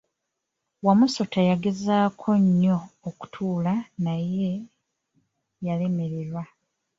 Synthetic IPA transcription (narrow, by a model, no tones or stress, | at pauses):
wamuso̞tajaɡe̞zaːkʰo̞ɲːo̞ːku̥tʰuːlanaje̞ | jale̞me̞ɾe̞ɾwa